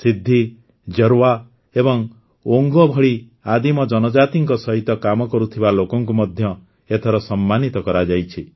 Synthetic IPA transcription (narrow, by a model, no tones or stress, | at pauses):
sid̪ʱːi | d͡ʒɔɾwa | ebɔŋ | oŋɡɔbʱɔɭi | ad̪imɔd͡ʒɔnɔd͡ʒat̪iŋkɔsɔɦit̪ɔkamɔkɔɾut̪ʰibalokɔŋkumɔd̪ʱjɔ | et̪ʰɔɾɔsɔmːanit̪ɔkɔɾad͡ʒajt͡ʃʰi